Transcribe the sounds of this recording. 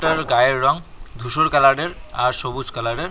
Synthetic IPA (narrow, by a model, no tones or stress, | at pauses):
ʈəɹɡajeɹːɔŋd̪ʱusuɹkalaɖeɹaɹsobud͡ʒkalaɖeɹ